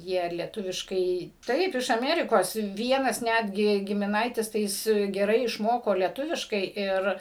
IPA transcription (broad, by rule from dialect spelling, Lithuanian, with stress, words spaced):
ˈjiɛ lʲiɛˈtʊʋʲɪʃkɐɪ ˈtɐɪp ɪʃ ɐˈmʲæːrʲɪkoːs ˈʋʲiɛnɐs ˈnʲædʲɡʲɪ ɡʲɪmʲɪˈnɐɪtʲɪs tɐɪ ˈjɪs ɡʲɛˈrɐɪ ɪʃˈmoːkoː lʲɛˈtʊʋʲɪʃkɐɪ ˈɪr